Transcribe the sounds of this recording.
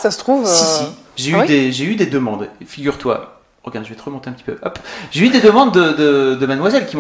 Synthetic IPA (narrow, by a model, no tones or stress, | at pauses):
sasə̥t̪χuvsisi | ʒeyd̪eʒeyd̪ed̪əmɑ̃d̪efiɡʲyʁt̪wa̰ | ʁəɡʲãd̪ʒəvɛt̪əʁəmɔ̃t̪eɛ̃pət̪i̥pøʔɔ̰pʒeyd̪ed̪əmɑ̃d̪ːəd̪əd̪əmanmwazɛlkʲim̃